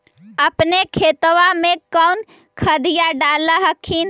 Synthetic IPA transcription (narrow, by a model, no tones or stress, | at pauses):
əpnekʰet̪ʋamekəwn | kʰəd̪ijaɖaləɦəkʰːin